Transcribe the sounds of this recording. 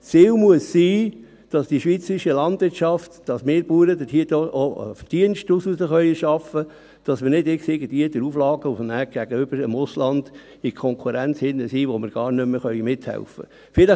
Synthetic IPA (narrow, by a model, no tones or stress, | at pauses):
t͡siːlmuəssiː | d̥ɑsd̥iʃʋiːt͡səɾiʃəlɑnd̥ʋɪɾtʃɑftd̥ɑsmɪːɾb̥uːɾədəhiədoɔd̥iənʃtususəχœʏəʃɑfə | d̥ɑsmɪɾnɪdɪksɪɡəd̥iədəɾuflɑːɡ̥əufnæːɡ̥æɡ̥əʏb̥əɾəmʊslɑnd̥ | ɪkʰɔŋkʰuɾænt͡shɪnːəsiːʋomɪɾɡ̥ɑːɾnʏmːəχœʏmɪthɛ̰lfə̰ | fɪlə